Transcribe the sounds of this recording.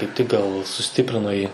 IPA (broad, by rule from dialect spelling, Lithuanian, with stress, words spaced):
kɐɪp tʲɪk ɡɐlˠ sʊˈsʲtʲɪpʲrʲɪnoː ˈjiː